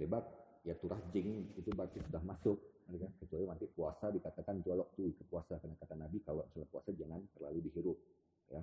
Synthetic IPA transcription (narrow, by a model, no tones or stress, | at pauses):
tebak̚ | jat̪uɾʔahd͡ʒɪŋit̪ubart̪isudahmasʊk̚adɛkakət͡ʃualimant̪ipuasadikat̪akant̪ualɔk̚t̪uikəpuasakənakat̪anabikalot͡ʃalapua̰sad͡ʒaŋant̪ərlaludiɦiɾʊp̚ | ja